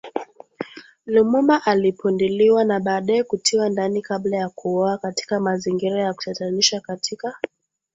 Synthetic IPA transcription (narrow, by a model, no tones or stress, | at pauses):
lumumaʔalipundiliwanaɓaːɗajɛkutʰiwandanikaɓlajakuɔakati̥kamaziŋɡiɾajaku̥tataniʃakatʰika